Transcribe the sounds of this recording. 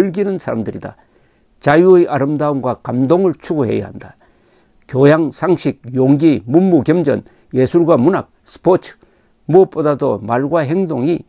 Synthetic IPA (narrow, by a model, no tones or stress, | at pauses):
ɯɭɡinɯnsʰaɾamdɯɾida | t͡ɕajuɯjʔaɾɯmdaɯmɡwakamdoŋɯɭt͡ɕʰuɡohe̞̰ja̰handa | kjojaŋsʰaŋɕʰik̚joŋɡimunːukjʌmd͡ʑʌ̰n | je̞sʰuɭɡwamunak̚sʰɯ̥pʰot͡ɕʰɯ̥ | muʌp͈odadomaɭɡwaɦe̞ŋdoŋi